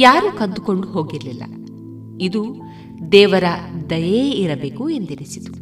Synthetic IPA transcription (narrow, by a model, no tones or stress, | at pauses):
jaːɾuːkɐnd̪uko̞ɳɖuɦo̞ːɡiɾlilːɐ̰ | id̪u | d̪ɛːʋɐɾɐd̪ɐjeiɾɐbe̞ːkuend̪inisit̪u̥